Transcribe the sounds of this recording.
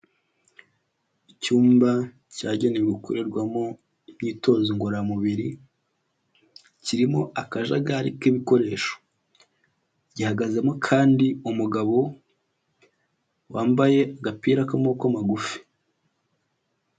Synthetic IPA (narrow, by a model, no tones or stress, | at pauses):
icuːmba | caːɟeneɡukuɾeɾɡwamo̞ | niːto̞ːziŋɡoɾamuβiɾi | ciɾimo̞ʔakaʒa̰ɡaɾḭkiβiko̞ɾe̞ːʃo̥ | ɟihaɡaze̞mokʰaːndiumuɡaβo̞ | waːmbaje̞aɡapiːɾakamokamaɡufi̥